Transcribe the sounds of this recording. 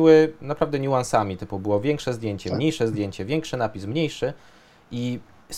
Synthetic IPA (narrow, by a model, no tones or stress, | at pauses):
ɘwɘnapɾavd̪ɛɲuwansamʲit̪ɘpkubɘwɔvʲjɛŋkʂɛzd̪ʲjeɲt͡ɕɛmɲejʂɛzd̪ʲjeɲt͡ɕɛvʲjɛŋkʂɘnapʲismɲejʂɘ | ʔi | s